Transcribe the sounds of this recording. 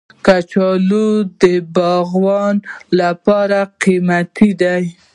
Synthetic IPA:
kat͡ʃɑlod̪əbɑɣwɑnlapɑɾaqimat̪id̪aj

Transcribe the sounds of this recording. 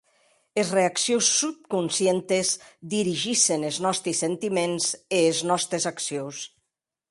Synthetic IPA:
ezreaksjosːup̚kunsjent̪ezd̪iɾiʒiseneznɔst̪ɾisːent̪imenzeːznɔst̪ɾezaksjows

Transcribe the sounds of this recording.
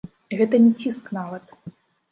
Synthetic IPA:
ɣɛt̪ɐnʲɛt͡sʲisknavɐt̪

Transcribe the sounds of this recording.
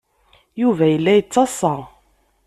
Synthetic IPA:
juvæjəlːæjət͡sːɑsˤɑ

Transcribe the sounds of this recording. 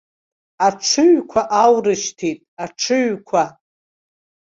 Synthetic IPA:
aʈ͡ʂʰɨɥkʷʰaʔawrɨʃtʰitʼaʈ͡ʂʰɨɥkʷʰa

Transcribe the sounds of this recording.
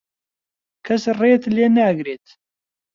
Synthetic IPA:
kʰɐsreːt̪leːnæɡɾeːt̪

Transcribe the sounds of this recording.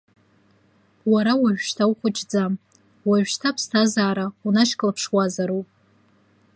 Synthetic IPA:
waɾawaʒᶣʃtʰawχʷʊt͡ʃʰʼd͡zam | waʒᶣʃtʰapʰstʰazaːɾaunaʃkʼlapʰʂwazaɾopʼ

